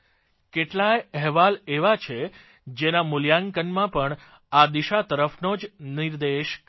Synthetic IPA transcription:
keʈlaeɛɦʋaleʋat͡ʃʰe | d͡ʒenamuljaŋkənmãpəɳ | ad̪iʃat̪əɾəfnod͡ʒniɾd̪eʃk

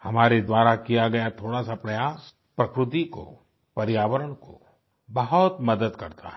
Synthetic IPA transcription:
hɐmaːɾed̪waːɾakijaɡɐjat̪ʰoːɽasapɾɐjaːs | pɾɐkɾʊt̪̬iko̰ | pɐɾɪjaːʋəɾəɽ̃ko̰ | bɐɦʊt̪mɐd̪əd̪kɐɾt̪ʰa̰

